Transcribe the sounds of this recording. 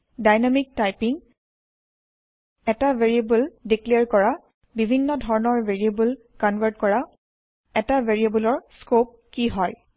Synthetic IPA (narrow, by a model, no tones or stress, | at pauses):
dajnamik̚tajpiŋ | ɛtaveɹiebuldikliɹkɔɹa | bibʱinːɔdʱɔɹɔnɔɹveɹiebul | kɔnvʱəɹtkɔɹa | ɛtaveɹiebulɔɹskop̚kiɦɔj